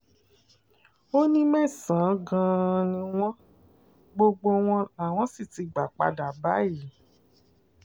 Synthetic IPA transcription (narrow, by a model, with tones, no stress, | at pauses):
o˦nĩ˦mɛ̃˦˨sã˨˦ɡã˧nĩ˧w̃ɔ̃˦ | ɡ͡bo˧ɡ͡bo˧w̃ɔ̃˧a˨w̃ɔ̃˨˦si˦˨ti˧˦ɡ͡ba˨k͡pa̰˧da˨ba˨˦ji˨˦